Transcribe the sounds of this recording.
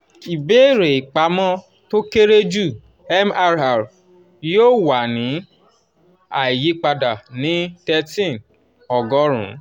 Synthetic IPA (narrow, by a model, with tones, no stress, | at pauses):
i˨be˨˦˨ɾe˨i˨k͡pa˨˦mɔ̃˦ | to˦ke˦ɾe˦d͡ʒu˦˨ | ɛ˦ma˧ɾa˨ɾ | joː˦˨wa˨nĩ˨˦ | a˨i˨ji˨˦k͡pa˧da˨nĩ˨˦tɛ˧tĩ˦˨n | ɔ˨ɡɔ˦ɾ̃ṵ̃˨˦